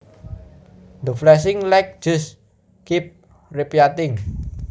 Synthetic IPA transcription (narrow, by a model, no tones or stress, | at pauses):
nd̪əflɛs̬ɪŋlɛk̚ʒ̥ʊ̤s | kip̚ | ripjat̪ɪŋ